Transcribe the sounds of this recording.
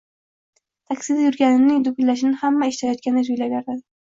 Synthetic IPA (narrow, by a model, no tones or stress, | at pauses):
t̪ʰakʲsɪd̪ajʊɾɡʲanɪnɪŋd̪ʊɡʲʊllaʃ̬nɪhamːaeʃt̪ʰajɒt̪̚kʲanɪzʊjlabjaɾd̪ad̪